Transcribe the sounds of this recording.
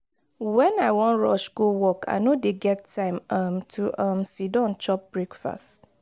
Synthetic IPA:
wɛ̃naɪwɔ̃nɹɔ̰ʃɡowɔkʰa̰nodeɡɛtːʰãɪ̃mamtʰuʔamsidɔ̃nt͡ʃɔp̚b̥ɹekfa̰st

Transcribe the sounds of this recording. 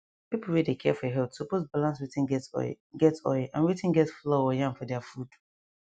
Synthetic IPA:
pipl̩ˠwɛdekʰɛfɔɦɛltsuposbalãnswitɪ̃nɡɛtsɔ̰ | ɡɛtsɔ̰ɪʔã̰nwitɪ̃nɡɛtflɔwɔjãmfɔdɛafud̥

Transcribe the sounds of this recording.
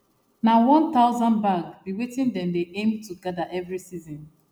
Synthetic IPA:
nawɔ̃nt̪aʊzɔ̃nbaɡbiwetĩndɛ̃mdeʔẽmtuɡadaʔɛvɹisizɔ̃n

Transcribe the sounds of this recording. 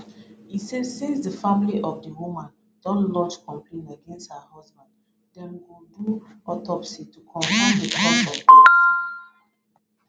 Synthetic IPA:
isɛdsezdəfãmiliʔɔvdəwumãn | d̥ɔ̃nlɔ̃d͡ʒkɔ̃mplẽnəɡɛ̃nsthəhazbãnd | dɛ̃mɡoduɔtɔpsitukʰɔ̃ɱfãndəpʰɔtɔ

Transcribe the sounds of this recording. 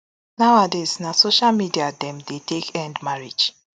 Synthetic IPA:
naʊadeznasoʃalmidiadɛ̃mdetekɛ̃ndmaɹid͡ʒ

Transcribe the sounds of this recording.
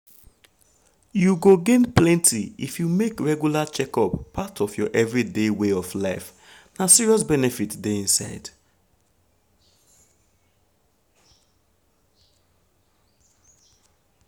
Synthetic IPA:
juɡoɡẽnplɛ̃ntʰiifjumekɹɛɡjulat͡ʃɛkɔpʰːatʰɔfjɔʔɛvɹideweɔflaɪf | nasiɹiɔs̬bɛnɛfitdeĩnsaɪd̥

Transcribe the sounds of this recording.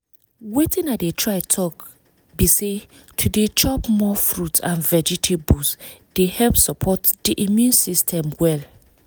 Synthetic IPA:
wetĩnaɪdetʰɹaɪtʰɔk | bise | tʰudet͡ʃɔpmɔfɹutãnvɛd͡ʒitʰebusd̥ehɛlpsɔpʰɔtd̥iʔimjũnsistʰɛ̃mwɛl

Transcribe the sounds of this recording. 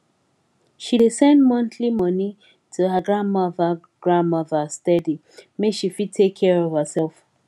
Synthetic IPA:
ʃidesɛ̃ndmɔ̃ntʰlimɔni | tʰuɦəɡɹãnmɔðə | ɡ̥ɹãnmɔðəstɛdi | meʃifid̚tʰekʰːɛɹɔv̥həsɛlˠf

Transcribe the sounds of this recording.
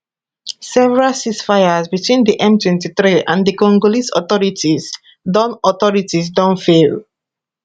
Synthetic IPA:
sɛvɛɹalsisfajazbitwĩndiʔɛ̃mtwɛ̃ntiθɹiãndikɔ̃ŋɡolisɔ̰θɔɹitiz | dɔ̃nɔθɔɹitizdɔ̃nfel

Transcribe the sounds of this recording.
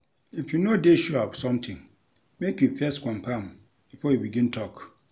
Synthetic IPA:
ifjunodeʃuapsɔ̃mtʰɪ̃ŋ | mekjupʰɛskʰʷãmpʰãm | b̥ifɔjubiɡĩntʰɔk

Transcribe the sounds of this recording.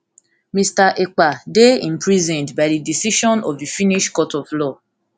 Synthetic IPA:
mĩstaʔek͡padeĩmpɹizɛ̃ndbadidisiʃɔ̃nɔfifĩniʃkɔtɔflɔ

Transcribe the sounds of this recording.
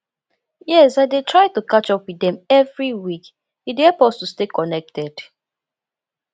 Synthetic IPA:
jɛsaɪdetʰɹaɪtukat͡ʃɔpwidɛ̃mɛvɹiwik | hidhɛlpɔstustekɔnɛk̚tɛd̥

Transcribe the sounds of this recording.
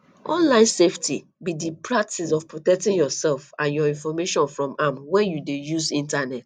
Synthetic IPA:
ʔɔ̰̃nlãɪ̃nseftʰi | bidipʰɹak̚tisɔvpɹotɛk̚tĩŋjɔsɛlfãnjɔĩnfɔmeʃɔ̃nfɹɔ̃mamwɛjudejuzĩntanɛt

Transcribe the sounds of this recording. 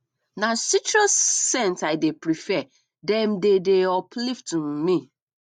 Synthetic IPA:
nãsit͡ʃɹɔsːɛ̃ntaɪdepɾifɛ | dɛ̃mdedeɔpliftmmĩ

